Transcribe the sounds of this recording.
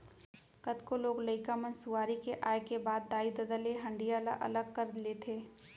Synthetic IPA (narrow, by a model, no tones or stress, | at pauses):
kət̪koloːɡləɪkamənsʊʋaːɾikeʔaːekebaːd̪ːaːid̪əd̪əleɦɐ̃ɳɖijala̰ʔɐ̰ləɡ̚kəɾd̪leːt̪ʰeː